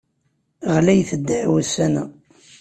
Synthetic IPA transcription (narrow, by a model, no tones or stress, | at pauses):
ʁlæjθəd̪ːʕwəsænæ